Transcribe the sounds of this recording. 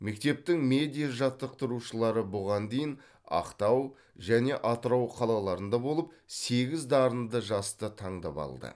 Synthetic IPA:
me̞k̚t̪e̞p̚t̪ɪŋme̞d̪ijaʒɑt̪ːəq̚t̪əɾuʃəlˠɑɾəbʊʁɑnd̪e̞jɪn | ɑ̰qt̪ɑw | ʒæne̞ʔɑt̪əɾɑwqʰɑlˠɑlˠɑɾənd̪ɑbo̞lˠəp̚se̞ɡʲɪzd̪ɑɾənd̪əʒɑst̪ət̪ʰɑɴd̪ɑ̰pɑ̰lˠd̪ə̰

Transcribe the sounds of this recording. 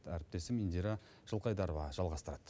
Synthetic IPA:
t̪æɾɪp̚t̪e̞sɪmind̪iɾɑ | ʒ̥əlˠqɑjd̪ɑɾovɑʒ̥ɑlˠʁɑst̪əɾɑd̪̥

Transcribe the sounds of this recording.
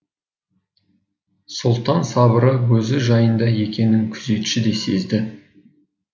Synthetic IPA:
sʊlˠt̪ɑnsɑbəɾəwɵzɪʒɑjənd̪ɑje̞kʲe̞nɪŋkʲʰʏze̞t̪ʃɪd̪e̞se̞̰zd̪ɪ

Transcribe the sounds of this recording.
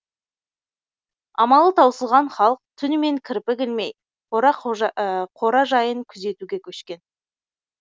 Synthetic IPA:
ɑmɑlˠət̪ʰɑwsəlˠʁɑnχɑlˠq̚t̪ʰʏnme̞ŋkʲʰɪɾpɪɡʲɪlme̞j | qo | qʰo̞ɾɑʒɑjəŋkʲʰʏze̞t̪uɡʲe̞kʲʰɵʃkʲe̞n

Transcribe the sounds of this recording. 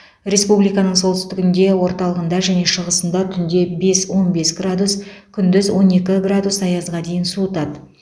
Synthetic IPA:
rʲe̞spublijkɑnəɴso̞lt̪ʏst̪ɪɡʲɪnd̪e̞wo̞ɾt̪ɑlˠəʁənd̪ɑʒæne̞ʃəʁəsənd̪ɑt̪ʰʏnd̪e̞be̞swo̞nbe̞sɡrad̪uskʲʰʏnd̪ʏzwo̞ne̞kʲɪɡrad̪usɑjɑzʁɑd̪e̞jɪnsut̪ɑd̪

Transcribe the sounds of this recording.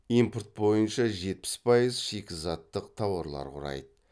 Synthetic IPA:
impurt̪̚bo̞jənʃɑʒe̞t̪̚pɪ̥spʰɑjəzʃekʲɪzɑt̪ːəqt̪ʰɑwɑɾlˠɑ̰ɾqʰʊ̰ɾɑ̰jd̪ə

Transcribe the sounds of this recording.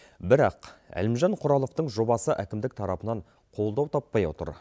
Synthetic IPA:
bɪɾɑqæ̰lɪmʒɑɴqʰʊɾɑlˠo̞ft̪əɴʒo̞bɑsəʔækʲɪmd̪ɪk̚t̪ʰɑɾɑpənɑɴ | qʰo̞lˠd̪ɑwt̪ʰɑpːɑjwo̞̰t̪ə̰ɾ

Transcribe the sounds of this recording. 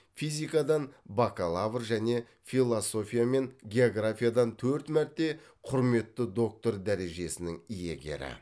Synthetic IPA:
fijzʲijkɑd̪ɑnbakalˠavrʒæne̞ | fʲilˠoso̞fʲijame̞nɡʲe̞oɡrafʲijad̪ɑnt̪ʰɵɾt̪mæɾt̪ːe̞ | qʰʊɾme̞t̪ːəd̪o̞k̚t̪o̞ɾd̪æɾe̞ʒe̞sɪnɪŋije̞̰ɡʲe̞̰ɾɪ̰

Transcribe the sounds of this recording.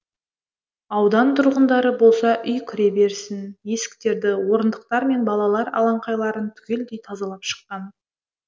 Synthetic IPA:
ɑwd̪ɑnt̪ʰʊɾʁənd̪ɑɾəbo̞lˠsɑʔʏjkʲʰʏɾe̞be̞ɾsɪnje̞sɪ̥k̚t̪e̞ɾd̪ɪwo̞ɾənd̪əq̚t̪ɑɾme̞nbɑlˠɑlˠɑɾɑ̰lˠɑɴqɑjlˠɑɾənt̪ʰʏ̥kʲe̞ld̪e̞jt̪ʰɑzɑlˠɑpʃə̥qːɑn

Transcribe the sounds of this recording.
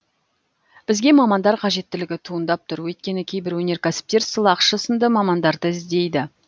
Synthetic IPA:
b̥ɪzɡʲe̞mɑmɑnd̪ɑɾqʰɑʒe̞t̪ːɪlɪɡʲɪt̪ʰuənd̪ɑp̚t̪ʰʊɾwɵjt̪̚kʲe̞nɪkʲʰe̞jbɪɾwɵne̞ɾkʲʰasɪ̥p̚t̪e̞ɾsəlˠɑqʃəsənd̪əmɑmɑnd̪ɑɾd̪əɪzd̪e̞jd̪ɪ

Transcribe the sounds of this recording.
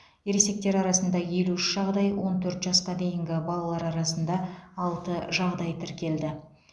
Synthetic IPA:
jeɾese̞k̚t̪e̞ɾɑɾɑsənd̪ɑje̞luɪʃʒ̥ɑʁd̪ɑjwo̞nt̪ʰɵɾt̪ʒɑsqɑd̪e̞jɪŋɡʲɪbɑlˠɑlˠɑɾɑɾɑsənd̪ɑɑlˠt̪əʒɑʁd̪ɑjt̪ʰɪɾkʲe̞ld̪ɪ

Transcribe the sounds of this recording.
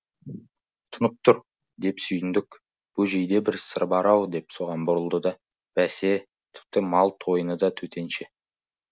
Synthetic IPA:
t̪ʰʊnəp̚t̪ʰʊɾ | d̪e̞psʏjɪnd̪ɪk | b̥ʊʒejd̪e̞bɪɾsəɾbɑɾɑwd̪e̞pso̞ʁɑnbʊɾəlˠd̪əd̪ɑ | b̥æse̞ | t̪ʰɪ̥p̚t̪ɪmɑlˠt̪ʰo̞jənəd̪ɑt̪ʰɵt̪ʰe̞nʃe

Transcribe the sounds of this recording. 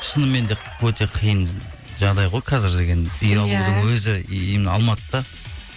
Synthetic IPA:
ʃənəme̞nd̪e̞ | wɵt̪e̞qʰijən | ʒɑʁd̪ɑjʁo̞jqʰɑzɪɾd̪e̞ɡʲe̞nʏjɑlˠud̪əŋwɵzɪmɑ̰lˠmɑt̪əd̪̥ɑ

